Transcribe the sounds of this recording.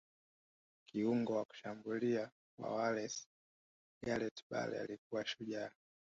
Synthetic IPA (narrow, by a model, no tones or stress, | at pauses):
kiuŋɡɔwaku̥ʃambulia | kwa̰walɛs | ɡalɛtɓa̰lɛ̰a̰lik̚uwaʃuʄa